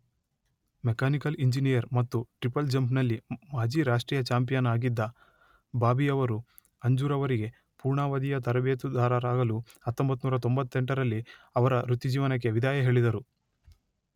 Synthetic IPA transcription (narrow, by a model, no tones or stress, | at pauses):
mɛkaːnikɐliɲd͡ʒinijɐɾmɐt̪ːuʈɾipɐld͡ʒɐmpnɐlːimaːd͡ʒiːɾaːʂʈɾiːjɐt͡ʃaːmpijɐnaːɡid̪ːɐ | baːbijɐʋɐɾu | ɐɲd͡ʒuːɾɐʋɐɾiɡe̞ | puːɾɳaːʋɐd̪ijɐt̪ɐɾɐbeːt̪ud̪aːɾɐɾaːɡɐlu | ɐt̪ːombɐt̪ːunmuːɾɐt̪o̞mbɐt̪ːeɳʈɐɾɐlːiɐʋɐɾɐɾut̪ːid͡ʒiːʋɐnɐk̬ːe̞ʋid̪aːjɐɦe̞ːɭid̪ɐɾu